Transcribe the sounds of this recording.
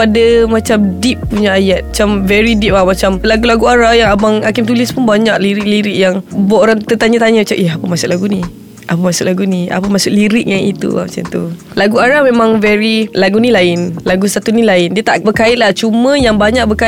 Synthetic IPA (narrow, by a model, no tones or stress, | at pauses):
padamat͡ʃamdip̚ːuɲaajat̪̚at͡ʃamvɛɾidip̚lahmat͡ʃamlaɡulaɡuaɾahjaŋabaŋakɪmt̪ulɪspunbaɲaʔliɾik̚liɾɪk̚jaŋbaʔoɾaŋt̪ət̪aɲat̪aɲat͡ʃaʔahapəmasʊʔlaɡuni | ʔapəmasʊʔlaɡunia̰pəmasʊʔliɾɪk̚jaŋḭt̪ṵa̰ma̰t͡ʃa̰mt̪ṵ | laɡuaɾahmemãŋvɛɾilaɡunilaɪnlaɡusat̪unilaɪndiət̪aʔbəkaɪt̪̚laht͡ʃumə̃jaŋbaɲak̚bəka